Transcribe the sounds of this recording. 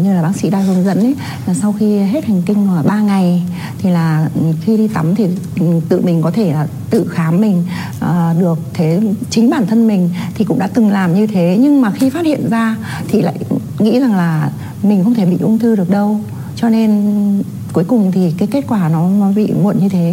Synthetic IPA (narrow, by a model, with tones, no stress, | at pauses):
ɲɨ˧laː˨˩ɓaː˨˦ŋsḭ˧˥ɗaː˧zu˧˩nzə̰˧˥nʔə˨˦jː | sa˧wxi˧ɦe˦˥t̚ha˨˩jŋ̟kï˧ŋ̟ə˨˩ɓaː˧ŋa˨˩j | t̪ʰi˨˩laː˨˩˨xi˧ɗi˧t̪a˨˦mt̪ʰi˨˩˨ | t̪ɨ̰˧˨mï˨˩ŋ̟kɔ˨˦t̪ʰe˧˩laː˨˩ | t̪ɨ̰˧˨xaː˨˦mːï˨˩ŋ̟ | ʔə˨˩ɗɨ˨˩ək̚t̪ʰe˨˦t͡ɕï˨˦ŋ̟ɓaː˧˩nt̪ʰə˧nmï˨˩ŋ̟t̪ʰi˨˩kʊ̰˧˥ŋ͡mɗa̰ː˧˥t̪ɨ˨˩ŋlaː˨˩mɲɨ˧t̪ʰe˨˦ɲɨ˧ŋmaː˨˩xi˧faː˦˥t̚hḭ˧˨ənzaː˧ | t̪ʰi˨˩la̰ː˧˨j | ŋḭ˧˥za˨˩ŋlaː˨˩ | mï˨˩ŋ̟xə˧wŋ͡mt̪ʰe˧˩ɓḭ˧˨ʔʊ˧ŋ͡mt̪ɨː˧ɗɨ˨˩ək̚ɗə˧w | t͡ɕɔ˧ne˧n | ku˨˦əjkʊ˨˩ŋ͡mt̪ʰi˨˩kaː˨˦jke˦˥t̚kwaː˧˩nɔ˨˦nɔ˨˦ɓḭ˧˨mu˧˩˨nɲɨ˧t̪ʰe˨˦